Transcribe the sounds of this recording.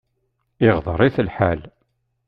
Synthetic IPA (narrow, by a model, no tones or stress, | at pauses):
ɪʁðˤəɾˤiθəlħal